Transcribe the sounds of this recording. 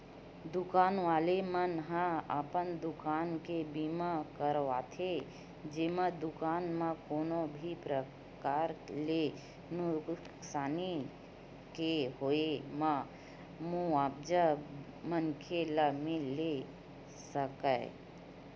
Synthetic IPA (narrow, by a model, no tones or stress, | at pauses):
d̪ʊkaːnʋaːlemənɦãa̰pənd̪ʊkaːnkebiːmakəɾʋaːt̪ʰe | d͡ʒemãd̪ʊkaːnmãkoːnobʱipɾə | kaːɾle | nʊ | ksaːni | keɦoemã | muaːb̚d͡ʒə | mənkʰeləmele | səkə̰